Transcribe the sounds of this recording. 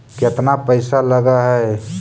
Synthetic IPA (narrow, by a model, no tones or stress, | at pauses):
kɪt̪napəɪsaləɡaɦɛ